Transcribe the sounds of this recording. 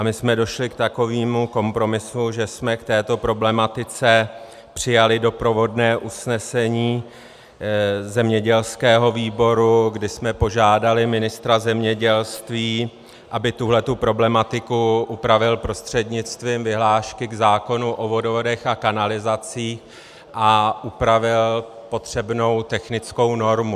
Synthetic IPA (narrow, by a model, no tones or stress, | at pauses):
ʔamɪsmɛdo̞ʃlɪkt̪ako̞viːmuko̞mpɾo̞mɪsuʒɛsmɛkt̪ɛːt̪o̞pɾo̞blɛmat̪ɪt͡sɛ | pr̝̥ɪjalɪdo̞pɾo̞vo̞dnɛːʔusnɛsɛɲiː | zɛmɲɛɟɛlskɛːɦo̞viːbo̞ɾuɡdɪsmɛpo̞ʒaːdalɪmɪnɪst̪ɾazɛmɲɛɟɛlst̪viː | ʔabɪt̪uɦlɛt̪upɾo̞blɛmat̪ɪkuʔupɾavɪlpɾo̞st̪r̝̥ɛdɲɪt͡st̪viːmvɪɦlaːʃkɪɡzaːko̞nuʔo̞vo̞dvodɛxakanalɪzat͡siːx | ʔaʔupɾavɪl | po̞t̪r̝̥ɛbno̞wt̪ɛxnɪt͡sko̞wno̞ɾmu